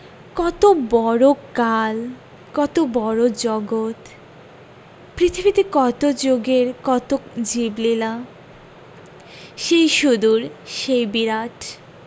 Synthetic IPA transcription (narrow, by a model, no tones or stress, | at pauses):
kɔt̪obɔɾokal | kɔt̪obɔɾod͡ʑɔɡot̪ | pɾit̪ʰibit̪ekɔt̪od͡ʑoɡeɾkɔt̪od͡ʑiblila | ʃejʃud̪uɾʃejbiɾaʈʰ